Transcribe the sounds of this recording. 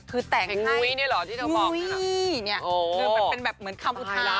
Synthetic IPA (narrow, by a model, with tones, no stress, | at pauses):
kʰɯː˧t̪ɛː˨˩ŋ˨˦au˩˧˦jni˥˩lɔ˨˦t̪ʰiː˥˩a˥˩ŋuɔː˧˦jni˥˩ɐo˧˩ɯː˧a˧pe˧nbɛː˨˩p̚mɯ˩˦ənkʰa˧mʔu˨˩t̪ʰːa˧˦